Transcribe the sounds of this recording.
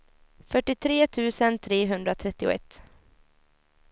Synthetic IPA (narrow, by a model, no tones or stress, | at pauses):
fœʈːɪt̪ʰɾeːt̪ʰʉ̟ːsənt̪ʰɾeːɦɵnd̪ɾat̪ʰɾɛt̪ːɪʊ̰ɛ̰t̪ː